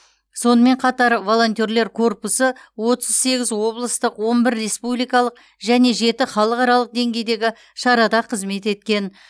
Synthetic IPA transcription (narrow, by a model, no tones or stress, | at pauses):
so̞nəme̞ɴqʰɑt̪ɑɾvo̞lˠo̞nt̪ʲe̞ɾle̞ɾkʰo̞rpʊsəwo̞t̪əz̥se̞ɡʲɪzwo̞blˠəst̪əqwo̞nbɪɾːe̞spublijkɑlˠəq̚ | ʒæne̞ʒe̞t̪ɪχɑlˠəqɑɾɑlˠəq̚d̪e̞ŋɡʲe̞jd̪e̞ɡʲɪ | ʃɑɾɑd̪ɑqʰəzme̞t̪e̞t̪̚kʲe̞n